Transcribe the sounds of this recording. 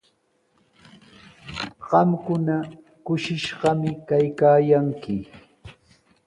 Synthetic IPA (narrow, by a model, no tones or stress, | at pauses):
ɢɑmkʊna | kʊʃɪʃɢɑmɪkajkaːjaŋkɪ